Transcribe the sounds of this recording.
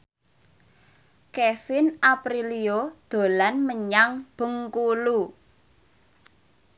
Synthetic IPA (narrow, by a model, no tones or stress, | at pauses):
kefɪnʔapɾiliod̪̥o̤lanməɲaŋb̥ə̤ŋkulu